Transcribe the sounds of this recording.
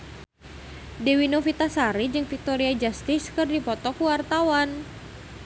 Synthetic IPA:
dɛwinofit̪asaɾid͡ʒɨŋfik̚t̪oɾiad͡ʒast̪iskɨrdipɔt̪ɔkuwart̪awan

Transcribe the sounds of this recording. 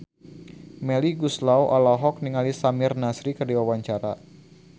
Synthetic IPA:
mɛliɡuslawʔalaɦɔk̚niŋalisamɪrnasɾikərdiwawaɲt͡ʃaɾa̰

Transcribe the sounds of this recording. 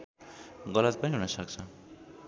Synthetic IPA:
ɡʌlʌt̪̚pʌniɦunʌsʌk̚t͡sʰʌ

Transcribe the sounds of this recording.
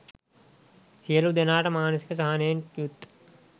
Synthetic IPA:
sijɐlud̪enaːʈɐmaːnɐsi̥kɐsɐɦaneːnjut̪ː

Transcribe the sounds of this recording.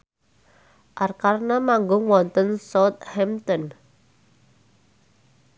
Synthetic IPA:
ʔarkarnamaŋɡʊŋwɔnt̪ənsɔt̪̚hɛmt̪ɔn

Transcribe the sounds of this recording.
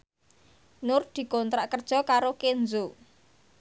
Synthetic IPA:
nʊrd̪̥i̤kɔnt̪ɾaʔkərd̥ʒ̥ɔ̤kaɾokend͡zo

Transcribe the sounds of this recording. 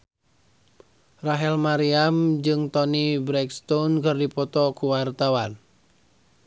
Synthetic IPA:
raɦɛlmaɾiamd͡ʒɨŋt̪ɔnibɾɛkst̪ɔnkərdipɔt̪ɔkuwart̪awan

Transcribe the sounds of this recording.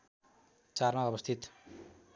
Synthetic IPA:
t͡sarmaʌbʌst̪ʰit̪

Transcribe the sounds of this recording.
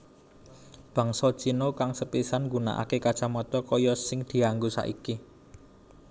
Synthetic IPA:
b̥ä̤ŋsɔd̥ʒ̥inokaŋsəpisanŋɡuna̰ʔa̰kekad̥ʒ̥amɔt̪ɔkɔjɔsɪŋd̪̥i̤aŋɡusa̰ʔḭki

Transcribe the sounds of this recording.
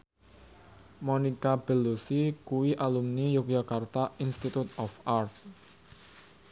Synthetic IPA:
monikab̥ə̤losikuwiʔalumnijʊk̚d͡ʒakart̪ainst̪it̪ut̪̚ɔfart̪̚

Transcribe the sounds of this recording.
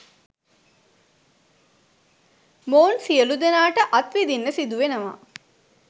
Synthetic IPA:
moːnsijəlud̪enaːʈəʔat̪ʋid̪inːəsid̪uʋenəʋa̰

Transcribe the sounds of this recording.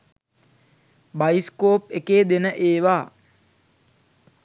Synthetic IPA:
bajiskoːp̚ekeːd̪enəʔeːʋaː

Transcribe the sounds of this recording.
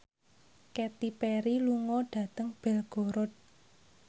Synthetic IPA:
kɛt̪ipɛɾiluŋɔɖ̥ä̤t̪əŋb̥ɛlɡ̥o̤ɾɔt̪̚

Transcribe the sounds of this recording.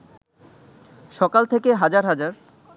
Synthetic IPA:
ʃɔkalt̪ʰekeɦad͡ʑaɾɦad͡ʑaɾ

